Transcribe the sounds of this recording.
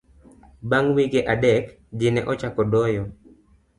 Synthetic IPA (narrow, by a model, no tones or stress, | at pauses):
baŋwiɡeʔadɛk | d͡ʒɪnɛ̰ʔɔt͡ʃakɔdɔjɔ